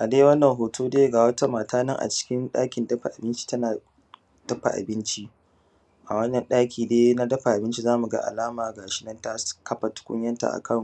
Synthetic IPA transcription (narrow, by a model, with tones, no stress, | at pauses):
ʔa˨deː˦wɐ˦nːɐ˨ŋɦoː˨toː˦deː˦ɡaː˨wɐ˦ta˦maː˨tʰaː˦nɐ˦ŋʔa̰˨t͡ʃɪ̥˦kʲɪ˦nɗaː˦kʲɪ˨ndɐ˦ɸa˨ʔa˨bɪ˦nt͡ʃi̥˦tɐ˦naː˨ | d̥ɐ˦ɸa̰˨ʔa̰˨bɪ˦nt͡ʃi˦ʔ | ʔa˨wɐ˦nːɐ˨nɗaː˦kʲiː˨deː˦na˦dɐ˦ɸa˨ʔa˨bɪ˦nt͡ʃi˦zaː˦mu˨ɡa̰˦ʔa̰˨laː˦maː˨ɡaː˨ʃɪ˦nɐ˦nta˦kɐ˦ɸa˨tʊ̥˦kʷʊ̰˦ɲjɐ˦nta̰˨ʔa̰˨kʰɐ˦˨m˨